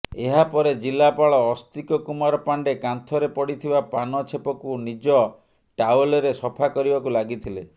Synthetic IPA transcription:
eɦapɔɾed͡ʒilapaɭɔːst̪ikɔkumaɾɔpaɳɖekant̪ʰɔɾepɔɽit̪ʰibapanɔt͡ʃʰepɔkunid͡ʒɔ | ʈawlɔɾesɔpʰakɔɾibakulaɡit̪ʰile

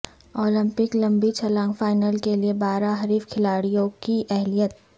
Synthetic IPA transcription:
ɔːlɪ̃mpɪklɐ̃mbit͡ʃʰɐlãːŋɡfaːɪnəlkeliebaːɾaɦɐɾiːfkʰɪlaːɽijõkiʔɛɦlijət̪̚

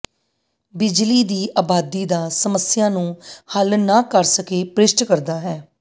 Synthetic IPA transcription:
bɪd͡ʒliːd̪iːʔaːbaːd̪iːd̪aːsəməsɪjãːnũːhəlnaːkəɾsəkeːpɾɪsʈkəɾd̪aːɦɛː

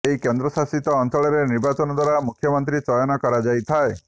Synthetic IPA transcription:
eikend̪ɾɔsasit̪ɔːnt̪ɔɭɔɾeniɾbat͡ʃɔnɔd̪waɾamukʰːjɔmɔnt̪ɾit͡ʃɔjɔnɔkɔɾad͡ʒajt̪ʰae

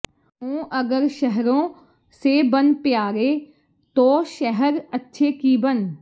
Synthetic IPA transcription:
õːʔəɡəɾʃəɦɾõː | seːbənpɪjaːɾeː | t̪oːʃɛɦəɾətːʃʰeːkiːbən

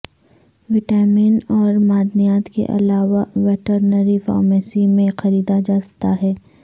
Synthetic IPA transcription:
ʋɪʈaːminɔːɾmaːd̪nijaːt̪kḛʔɐ̰laːʋaʋɛːʈəɾnəɾifa̰ːɾmɛːsimẽxɐɾiːd̪ad͡ʒaːsɐ̥t̪aɦɛː

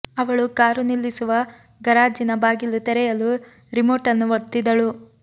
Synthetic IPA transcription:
ɐʋɐɭukaːɾunilːisuʋɐ | ɡɐɾaːd͡ʒinɐbaːɡilːut̪ɛɾɛjɐlu | ɾimoːʈɐnːuʋot̪ːid̪ɐɭu

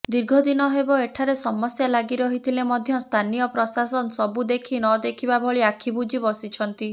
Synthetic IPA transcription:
d̪iɾɡʱɔd̪inɔɦebɔeʈʰaɾesɔmɔsjalaɡiɾɔɦit̪ʰilemɔd̪ʱjɔst̪ʰanijɔpɾɔsasɔnɔsɔbud̪ekʰinɔd̪ekʰibabʱɔɭiakʰibud͡ʒibɔsit͡ʃʰɔnt̪i

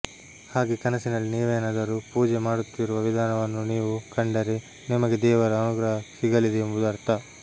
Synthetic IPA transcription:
haːɡekɐnɐsinɐlːiniːʋeːnaːd̪ɐɾupuːd͡ʒemaːɽut̪ːiɾuʋɐʋid̪ʱaːnɐʋɐnːuniːʋukʰɐɳɖɐɾe | nimɐɡed̪ɛːʋɐɾɐːnuɡɾɐɦɐsiɡɐlid̪eembud̪ɐɾt̪ɐ

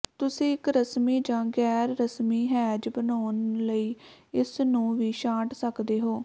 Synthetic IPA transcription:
t̪ʊsĩːɪkɾəsmiːd͡ʒãːɡɛːɾːəsmiːɦɛːd͡ʒbənoːnləiːɪsnũːʋiːʃãːʈsəkd̪eːɦoː

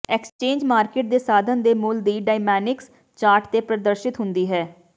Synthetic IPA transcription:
ɛkst͡ʃẽːɲd͡ʒmaːɾkeːʈ̚d̪eːsaːd̪ənd̪eːmʊld̪iːɖaːɪmɛːnɪks | t͡ʃaːɾʈt̪eːpɾəd̪əɾʃɪt̪ɦʊnd̪iːɦɛː

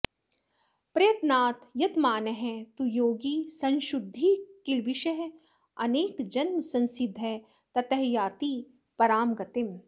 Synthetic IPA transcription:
pɾɐjɐt̪naːt̪jɐt̪maːnɐɦɛ̃t̪ujoːɡiːsɐ̃nʃʊd̪ʱːiːkɪlʋɪʃɐɦ | ɐneːkd͡ʒɐnməsɐ̃nsɪd̪ʱːɛ | t̪ɐt̪ɐɦjaːt̪i | pɐɾaːmɡɐt̪ɪm

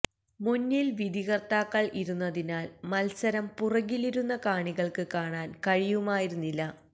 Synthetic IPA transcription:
munːilʋid̪ʱiɣɐrt̪aːkːɐɭiɾunːɐðinaːlmɐlsɐɾɐmpurɐɣiliɾunːɐkaːɳiɣɐɭkɨkaːɳaːnkɐɻijumaːjiɾunːilːɐ

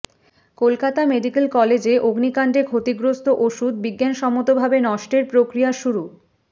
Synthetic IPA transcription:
kolkat̪ameɖikelkɔled͡ʑeʔoɡnikaɳɖekʰot̪iɡɾost̪oʔoʃud̪biɡːanʃɔmot̪obʱabenɔʃʈeɾpɾokɾijaʃuɾu

